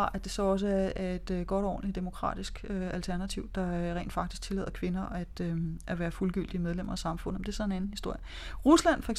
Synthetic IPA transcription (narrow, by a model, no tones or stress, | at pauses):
ɑ̈ʔæd̥e̝sɒ̽ɒ̽s̬əæɐæe̝d̥ɡ̥ɒ̽ɾ̥ɒɒ̰ːn̩lid̥e̝mo̝kʰʁɑ̰̈ːd̥isɡ̥øælt͡sʰæɐnæt͡sʰiʊ̰d̥ɑ̈ʁɛ̰ːnd̥fɑ̈ɡ̥d̥isɡ̥̚t͡sʰe̝lɛ̰ːð̰ˠɐkʰʋe̝nɐæd̥øæʋæːɐfulɡ̥yl̰d̥iəmeð̞ˠlemɐɒ̽sɑ̈mfɔ̽n̰̩ˠɒmde̝ɐsɒ̽e̝nænn̩hisd̥o̝ɐ̰jə | ʁuslæn̰fɒeɡ